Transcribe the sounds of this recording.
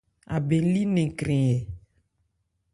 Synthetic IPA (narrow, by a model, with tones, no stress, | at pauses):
a̰˨be˨˦li˦nẽ˨kɾĩ˨ɛ˨